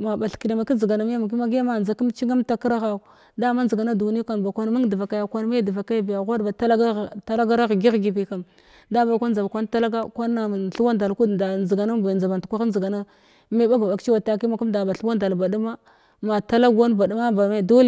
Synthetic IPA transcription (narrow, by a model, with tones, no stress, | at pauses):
ma˨ba˨ɬki˨na˨ma˨ki˦zə˨ɡa˨na˨m˦a˦m˨k̬i˦ma˦ɡi˦a˦ma˨nza˨ki˦mt͡ʃi˦ŋa˦mta˨ki˦ɾa˦ɣa˦˨ | da˦ma˦nzə˨ɡa˨na˦du˨ni˦kʷa˨n˨ba˨kʷa˦n˦ma˦ŋ˦di˨va˨ka˨ja˨kʷa˦nme˦di˨va˨ka˦jbi˨ja˨ɣʷa˦dba˨ta˦lta˦la˦ɡa˦ɾa˦ɣɡi˦ɣɡi˨bi˨ka˨m | da˦ba˨kʷa˦n˦d͡za˨ba˨kʷa˦n˦ta˦la˦ɡa˦kʷa˦na˨ɬu˦wa˦nda˨lku˦da˨zi˨ɡa˨na˦ba˨nd͡za˨ba˨ntu˨kʷa˦a˦zə˨ɡa˨na˦ | me˦ba˦ɡa˨ba˨kt͡ʃi˦wa˨ta˨ki˦ma˨ku˦mda˨ba˨ɬu˦wa˦nda˨lba˨du˦ma˦ | ma˨ta˦la˦ɡa˦nba˨du˦ma˦ba˨ma˦˨do˦l